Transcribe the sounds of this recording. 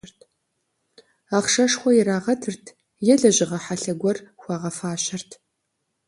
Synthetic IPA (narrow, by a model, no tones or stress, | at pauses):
rtʰ | aːχʂɐʂχʷɔjɪɾaːʁɐtʰɨrtʰ | jɛɮɐʑɪʁɐħaɬɐɡʷɔrxʷɑːʁɐfaːʃɐrtʰ